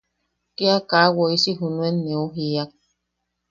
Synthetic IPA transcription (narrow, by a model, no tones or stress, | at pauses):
keakawoisiɦunuenːeoɦiak̚